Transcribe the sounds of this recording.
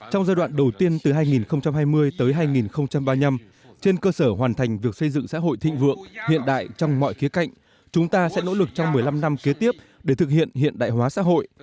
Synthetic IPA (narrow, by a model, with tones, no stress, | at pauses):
t͡ɕɔ˧wŋ͡mzaː˧jɗwa̰ː˧˨nɗə˨˩wt̪i˧ənt̪ɨ˨˩ɦaː˧jŋi˨˩nxə˧wŋ͡mt͡ɕa˧mɦaː˧jmɨ˧əjt̪əː˨˦jɦaː˧jŋi˨˩nxə˧wŋ͡mt͡ɕa˧mɓaː˧ɲa˧m | t͡ɕe˧nkəː˧səː˧˩ɦwaː˨˩nt̪ʰa˨˩jŋ̟vi˨˩ək̚sə˧jzɨ̰˧˨ŋsa̰ː˧˥ɦo̰˧˨jt̪ʰḭ̈˧˨ŋ̟vɨ̰˧˨əŋhḭ˧˨ənɗa̰ː˧˨jt͡ɕɔ˧wŋ͡mmɔ̰˧˨jxi˨˦əka̰˧˨jŋ̟ | t͡ɕʊ˨˦ŋ͡mt̪aː˧sɛ̰˧˥no̰˧˥lɨ˨˩k̚t͡ɕɔ˧wŋ͡mmɨ˨˩əjla˧mna˧mke˨˦t̪i˦˥əp̚ | ɗe˧˩t̪ʰɨ˨˩k̚hḭ˧˨ənhḭ˧˨ənɗa̰ː˧˨jɦwaː˨˦sa̰ː˧˥ɦo̰˧˨j